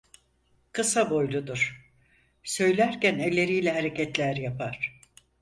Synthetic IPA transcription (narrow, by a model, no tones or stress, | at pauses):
kʰɯsabo̞jlˠud̪uɾ̥ | sø̞jlʲæɾcænelʲːe̞ɾijlʲɛɦaɾe̞cɛt̪lʲæɾjapʰaɾ̥